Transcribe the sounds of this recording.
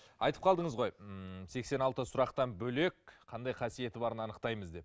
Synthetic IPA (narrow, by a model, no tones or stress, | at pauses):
ɑjt̪ə̥p̚qʰɑlˠd̪əɴəzʁo̞jse̞kse̞nɑlˠt̪əsʊɾɑqt̪ɑnbɵle̞kqʰɑnd̪ɑjqʰɑsije̞t̪ɪbɑɾənɑnəqt̪ɑjməzd̪e̞p